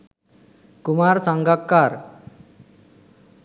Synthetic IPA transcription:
kumaɾsaŋɡakːaɾ

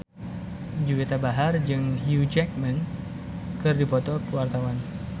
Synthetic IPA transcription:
d͡ʒuwet̪abaɦard͡ʒɨŋhjud͡ʒɛk̚man | kɨrdipɔt̪ɔkəwart̪awan

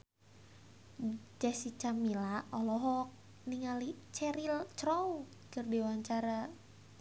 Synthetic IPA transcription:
d͡ʒɛsit͡ʃamilaɔlɔɦɔk̚ | niŋalit͡ʃɛɾilt͡ʃɾɔw | kɨrdiwaɲt͡ʃaɾa

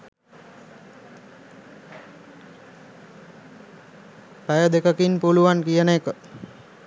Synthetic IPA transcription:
pajəd̪ekəkinpuluʋankijənəekə

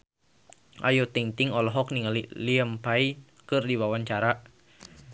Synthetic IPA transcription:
ʔa̰jot̪iŋt̪iŋɔlɔɦɔk̚niŋliliəmpai | kɨrdiwawaɲt͡ʃaɾa

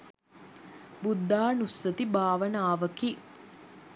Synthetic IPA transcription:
bud̪ʱːaːnusːɐt̪ibʱaːʋɐnaːʋɐki

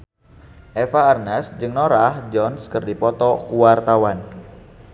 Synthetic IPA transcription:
ʔefaːrnasd͡ʒɨŋnɔɾahd͡ʒɔnskərdipɔt̪ɔkuwart̪awan

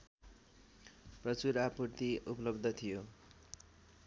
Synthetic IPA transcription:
prʌt͡suɾapurt̪iupʌlʌbd̪ʱʌt̪ʰijo

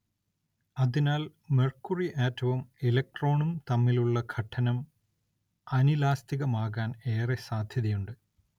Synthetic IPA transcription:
ɐðinaːl | merkːuriʔeːtːɐʋumelɐk̚ʈro̞ːɳumt̪ɐmːiluɭːɐɡʰʱɐʈʰːɐnɐm | ɐnilaːst̪iɣɐmaːɣaːne̞ːresaːd̪ʱjɐðijuɳɖɨ

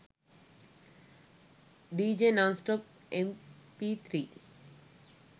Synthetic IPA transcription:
ɖiːd͡ʒenãnsʈɔp | empit̪ʰɾiː

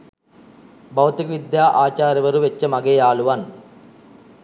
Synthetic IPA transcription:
bɐwt̪iɡɐʋid̪jaːʔaːt͡ɕaːɾɐʋɐɾuʋet͡ɕːɐmɐɡɐjaːɭuʋaːn

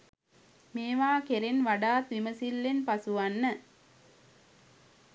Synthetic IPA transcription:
meːʋaːkeɾenʋɐɖaːt̪ʋiməsilːenpɐsuʋɐnːə

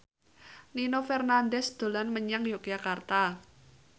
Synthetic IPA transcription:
ninofɛrnandɛsd̪̥o̤lanməɲaŋjokjakart̪a

